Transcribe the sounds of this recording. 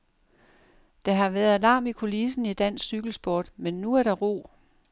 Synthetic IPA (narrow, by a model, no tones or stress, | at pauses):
d̥ɑ̈ɦɑ̈ʋæɐðˠælɑ̈ːmikʰo̝lisn̩id̥æn̰ssyɡ̥l̩sb̥o̝ːd̥menːuæɐɾ̥ɑ̈ʁo̝̰ː